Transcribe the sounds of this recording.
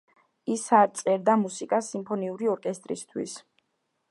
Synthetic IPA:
isaɾt̪sʼɛɾd̪amusikʼasimpʰɔniuɾiɔɾkʼɛst̪ʼɾist̪ʰwḭs

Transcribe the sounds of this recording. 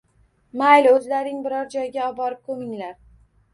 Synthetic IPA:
majlɵzlaɾɪŋbɪɾɒɾd͡ʒɒjɪɡʲaɒbɒɾɪp̚kʰɵmɪŋlaɾ

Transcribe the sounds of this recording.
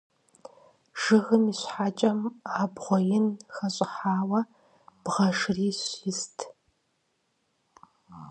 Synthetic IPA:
ʒ̥ɨɣɨmiːɕħaːt͡ʃʼɐmaːbʁʷɔjɪnxɐɕʼɪħaːwɐ | b̥ʁɐʂriːɕɪstʰ

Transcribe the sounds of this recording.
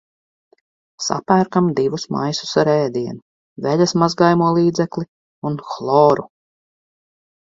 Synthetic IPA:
sa̰pæːɾkamd̪ivusma̰jsu̥saɾɛːd̪iɛnu | vɛʎasmazɡajmuɔlˠiːd̪zɛklʲˠi | unxlˠɔːɾu

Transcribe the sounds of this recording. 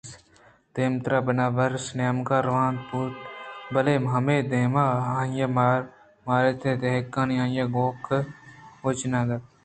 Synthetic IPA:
s | d̪̥eːmt̪ɾaːbɐnaːbɐɾsnaːmkaːɾʋaːnd̪̚puːt̪bɐleːmɦɐmeːd̪eːmaãːjɐmaːɾ | maːɾet̪ʰed̪eɦkːãːniãːjaɡoːk | ot͡ʃnãːd̪ɐ

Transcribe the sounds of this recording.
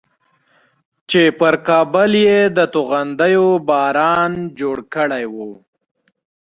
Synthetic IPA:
t͡ʃepəɾkɑːbʊljed̪ət̪uɣand̪əjobɑːɾɑnd͡ʒoɽkəɽajwu

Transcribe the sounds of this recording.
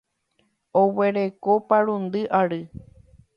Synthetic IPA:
owe̞ɾekopaɾund̪ɨʔaɾɨ

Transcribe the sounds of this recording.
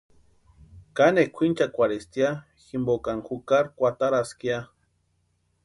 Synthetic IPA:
kanekʷʰint͡ʃakʷaɾest̪ja | ximbokaŋxukaɾkʷat̪aɾaskia

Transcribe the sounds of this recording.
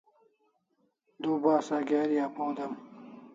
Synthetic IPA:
d̪uːbaːsaɡeːɾijaːpõːd̪ɐm

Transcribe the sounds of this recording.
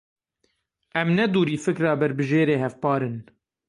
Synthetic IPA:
ʔɛmnɛd̪uːɾiːfɨkɾɑːbɛɾbɨʒeːɾeːhɛfpɑːɾɨn

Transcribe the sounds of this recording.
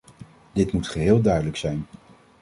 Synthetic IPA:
dɪtmutχəɦɪːlˠdœɥdələksɛjn

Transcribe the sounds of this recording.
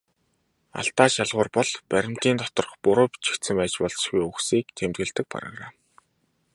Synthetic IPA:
a̰ɬt̪aːʃaɮʁʊːrpɔɮpæɾʲɪ̆m̥t̪iːnt̪ɔt̪ɞ̆rχpʊɾʊ̆ːpi̥t͡ɕi̥xt̪sɘ̆mpæːt͡ɕpɔɮt͡ɕʃɡujuxsiːk̚t̪ʰemt̪ɡɘ̆ɮt̪ɘ̆k̚pa̰ɾə̰̆χraː

